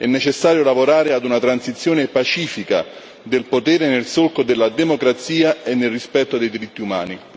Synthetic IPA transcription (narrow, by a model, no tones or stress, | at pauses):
ɛnːet͡ʃesːaːɾjolavoɾaːɾead̪unat̪ɾansit̪sːjoːnepat͡ʃiːfika̰ | d̪elpot̪ɛːɾenelsolkod̪elːad̪emokɾat̪siːaenːelrːispɛt̪ːod̪ejd̪iɾit̪ːiuma̰ːni